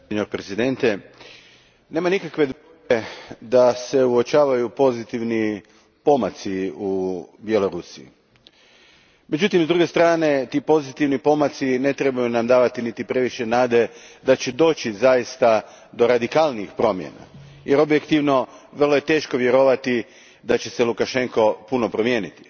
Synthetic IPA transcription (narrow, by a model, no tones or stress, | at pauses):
eɲoɾpɾezid̪e̞nt̪e | ne̞ːmanikakʋe̞d̪ | ed̪ase̞uo̞t͡ʃaːʋajupo̞zit̪iʋni | po̞mat̪siubje̞lo̞ɾusiḭ | med͡ʑut̪imzd̪ɾuɡe̞st̪ɾaːne̞t̪iːpo̞zit̪iʋnipo̞mat̪sine̞t̪ɾe̞bajunamd̪aːʋat̪init̪ipɾe̞ʋiʃenaːd̪e̞d̪at͡ɕed̪o̞ːt͡ɕizajist̪a | d̪o̞ɾad̪ikaːlˠniixpɾo̞mjḛna̰ | jeɾo̞bjekt̪iʋno̞ʋr̩lˠoje̞t̪e̞ːʃko̞ʋje̞ɾo̞ʋat̪i | d̪at͡ɕe̞selukaʃe̞ŋko̞puno̞pɾo̞mje̞ːnit̪i̥